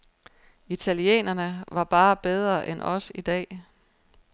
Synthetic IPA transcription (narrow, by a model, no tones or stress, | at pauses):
it͡sʰæliḛːnɐnəʋɑ̈b̥ɑ̈ːb̥eð̞ˠʁɐʔenʔɒ̽sid̥ɛ̰ː